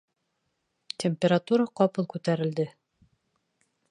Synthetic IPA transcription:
tʲemʲpʲeɾat̪uɾaqɒpɤlˠkʉt̪æɾɘ̆ld̪ɘ

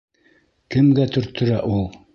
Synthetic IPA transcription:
kɘ̆mɡæt̪ɵ̆ɾt̪ɵ̆ɾæʔulˠ

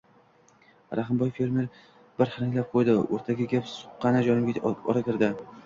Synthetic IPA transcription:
ɾʔaɦɪmbɒjfe̞ɾme̞ɾ | b̥ɪɾχɪɾɪŋʲlap̚qʰojd̪ɪoɾt̪ʰaɡʲɪɡʲapsʊ̥qːɑnad͡ʒɒnɪmɡʲaɒ̰ɾakʲɪɾd̪ɪ

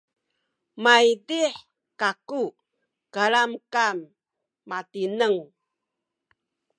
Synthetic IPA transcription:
maidiħ | kaku | kalamkamː | atinəŋ

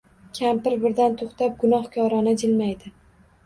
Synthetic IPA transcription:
kʲʰampɪɾbɪɾd̪ant̪ʰoχt̪ap̚ɡʊnɒhkʲʰɒɾɒnad͡ʒɪlmajd̪ɪ

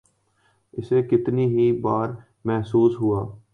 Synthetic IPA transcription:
ɪseːkɪt̪niːɦiːbaːɾ | mɛɦsuːsɦʊaː

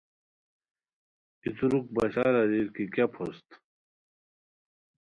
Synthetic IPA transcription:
it̪uɾuk̚bɐɕaːɾɐdiɾkikjapʰost̪

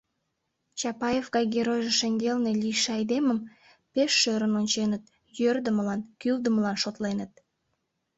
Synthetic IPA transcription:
t͡ɕɑpɑjevɣɑjɡeɾojʒeʃəŋɡelneliʃeɑjd̪eməm | peʃːøɾənonʲt͡ɕenət̪ | jørd̪əməlɑnkyld̪əməlɑnʃot̪lenət̪̚

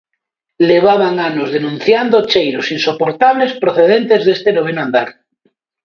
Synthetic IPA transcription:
leβ̞aβaŋanozðenũn̟θjand̪ot͡ʃejɾosinsopoɾt̪aβ̞lespɾoθeð̞ent̪ezðest̪enoβenoãnd̪aɾ

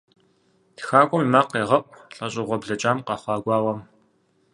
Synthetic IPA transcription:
txaːkʷʼɔmimaːqːeːʁɐʔʷʼɬʼɐɕʼɪʁʷɔbɮɐt͡ʃʼaːmqɐχʷɑːɡʷɑːwɐm

